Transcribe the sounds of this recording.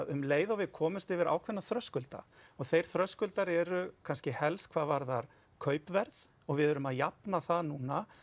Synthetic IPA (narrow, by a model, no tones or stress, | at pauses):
ðʏmleːjðawvɪðkʰɔːmʏst̪ɪvɪɾa̰ːwkʰvɛnːaθɾœskʏlt̪a̰ɔɣθejɾ̥θɾœskʏlt̪aɾɛɾʏkʰanscɪhɛlskʰvaːðvaɾðaɾ̥ | kʰœːɥpvɛɾð | ɔɣvɪðɛɾʏmaðjapnaθaðnuːna